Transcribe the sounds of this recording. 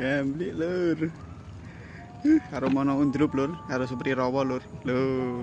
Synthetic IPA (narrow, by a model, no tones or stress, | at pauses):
ɡamblɪʔlʊr | hkaɾomɔnɔund̪ɾʊp̚lʊrkaɾosəpərt̪iɾɔwɔlʊrlo